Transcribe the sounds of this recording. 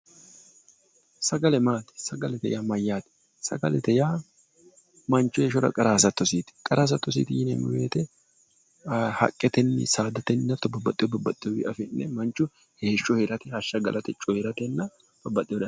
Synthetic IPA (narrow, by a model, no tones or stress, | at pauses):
sɐɡɐlɛmaːt̪ɛ̥sɐɡɐlɛt̪ɛ̰jaːmɐjːaːt̪ɪ̥ | sɐ̰ɡɐlɛt̪ɛjaː | mɐnt͡ʃːɔeʃɔɾɐ̰kʼɐɾaːs̬ɐt̪ːɔsiːt̪ɪ̥kʼɐɾaːs̬ɐt̪ːɔs̬ḭːt̪ɪjɪnɛ̰mʊ̰wḛːt̪ɛ | hɐ̰kʼːɛt̪ɛnːɪ̰saːd̪ɐt̪ɛnːɐt̪ːɔbɐbːɐt̪ʼːɪjɔbɐbːɐt̪ʼːɪjɔwɪ̰ʔɐfɪnːɛmɐnt͡ʃːʊ | heːʃːɔheɾɐt̪ɪhɐʃːɐɡɐ̰lʔɐt̪ɛt͡ʃʼːɔheɾɐt̪ɛnːɐ | b̥ɐbːɐt̪ʼːɪjɔd̪ɐ